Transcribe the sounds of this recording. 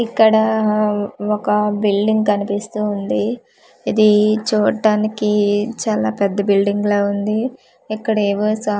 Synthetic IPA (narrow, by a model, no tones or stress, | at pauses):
ikːɐɽɐ | ɔkɐbilɖiŋɡkɐnipist̪uːnd̪i | id̪it͡ʃuːʈːaːnikit͡ʃaːlaːpɛd̪ːɐbilɖiŋɡloːund̪i | ɛkːɐɽeːʋosɐ